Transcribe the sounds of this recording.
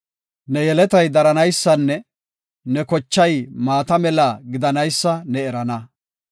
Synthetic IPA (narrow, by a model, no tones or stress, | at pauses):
nɛjɛlɛt̪ɐjd̪ɐɾɐnɐjsːɐnːɛ | nɛkɔt͡ʃːɐjmaːt̪ɐmɛlaɡɪd̪ɐnɐjsːɐnɛɛɾɐnɐ